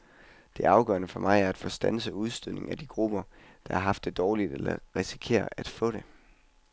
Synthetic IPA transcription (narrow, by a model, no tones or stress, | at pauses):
d̥e̝ʔɑ̈ʊɡ̥ɶ̰ːɐnəfɒ̽mɑ̈ɪæɐæd̥fɒ̽sd̥ænsəuð̞ˠsd̥yð̰ˠne̝ŋæd̥iɡ̥ʁub̥ɐd̥ɑ̈hɑ̈ɦɑ̈fd̥e̝d̥ɒːlid̥elɐ̰ʁisi̥kʰe̝̰ːɐ̰æd̥fɔ̰̽ːɾ̥e̝